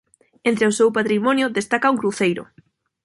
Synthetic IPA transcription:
ent̪ɾeosewpat̪ɾimɔnjʊðest̪akauŋkɾuθejɾʊ̰

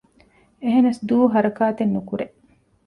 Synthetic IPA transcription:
eɦenɐsd̪uːɦɐɾɐkaːt̪enːukuɾeʔ

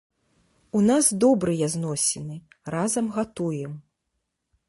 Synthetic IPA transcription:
unazd̪ɔbɾɨjɐznɔsʲɛnɨ | razɐmɣat̪ujɛm

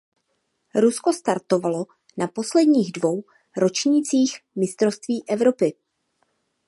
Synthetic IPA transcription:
ɾusko̞st̪aɾt̪o̞valo̞ | napo̞slɛdɲiːɣdvo̞w | ɾo̞t͡ʃɲiːt͡siːxmɪst̪ɾost̪viːʔɛvɾo̞pɪ

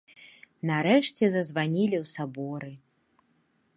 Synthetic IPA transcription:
nɐɾɛʂt͡sʲɛzɐzvanʲilʲiwsabɔɾɨ

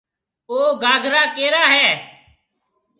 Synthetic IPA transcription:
oːɡaːɡʱɾaːkeːɾaːɦɛː

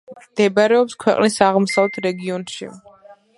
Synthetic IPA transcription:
md̪̥ɛbaɾɛɔpskʰwɛqʼnisaʁmɔsavlɛt̪ʰɾɛɡiɔnʃḭ

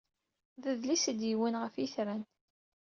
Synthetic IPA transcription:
ðəðlisəd̪jiwənʁəfiθɾæn

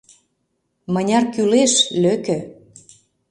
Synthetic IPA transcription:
mə̆nʲɑrkyleʃløkɘ̆

